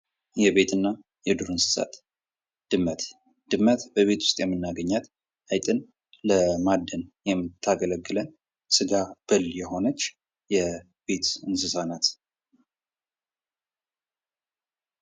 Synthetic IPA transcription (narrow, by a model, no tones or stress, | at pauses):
jɛβe̞t̪ɨnːa | jɛd̪uɾɨnsɨ̥sa̰t̪ | d̪̥ɨmːət̪ | d̪̥ɨmːət̪bəβe̞t̪wʊ̥st̪ʼjɛmːɨnːaɡəɲːat̪ | ajt̪ʼɨn | ləmad̪ːənjɛmːɨt̪ʰːaɡələɡːɨlən | sɨɡab̥ɨljɛɦo̞nət͡ʃː | jɛ | be̞t̪ɨnsɨsanat̪